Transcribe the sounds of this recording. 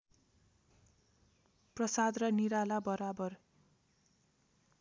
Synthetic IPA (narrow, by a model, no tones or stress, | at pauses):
prʌsad̪rʌniɾalabʌɾabʌr